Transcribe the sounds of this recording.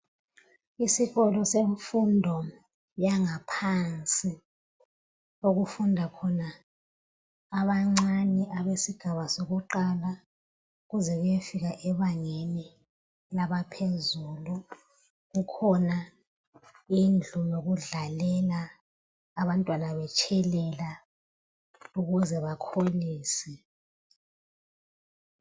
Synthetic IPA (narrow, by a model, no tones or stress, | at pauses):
isiɣɔlɔseɱfundʱɔ | jaŋapʰant͡sʼi | oɣufundʱakʰɔna | βaŋ͡ǀaniʔaβesiɡ̥ʱaβasoɣuǃala | uɣuzɛɣujefiɣaʔɛβaŋeni | laβapʰezulu | ɣukʰɔna | ind͡ɮʱunoɣuɮalɛlaː | βantʼwanaβɛt͡ʃʼʰɛlɛla | uɣuzɛβakʰoliːsɛ